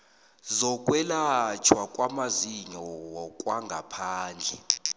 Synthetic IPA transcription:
zɔkʼwɛlat͡ʃʰwakʼwamaziɲɔwɔkʼwaŋɡʱapʰaːnd͡ɮʱɛ

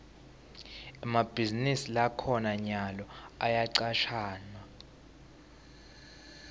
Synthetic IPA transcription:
ɛmab̥ʱizinisilakʰɔnaɲalɔajaǀaʃʰaːnwa

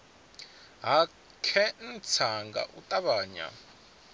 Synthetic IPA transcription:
ɦa | kʰɛn̩t͡sʰaŋɡa̰ʔutʼaβaːɲa̰

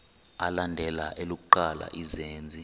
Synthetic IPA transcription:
alandʱɛlaʔeluk̬ʼuǃala̰ʔizeːnd͡zʱi

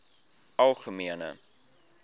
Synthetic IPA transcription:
ɐlˠχəmiənə̰

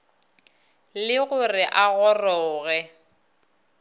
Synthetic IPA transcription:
lɪɣʊrɪʔaɣɔrɔːɣɛ

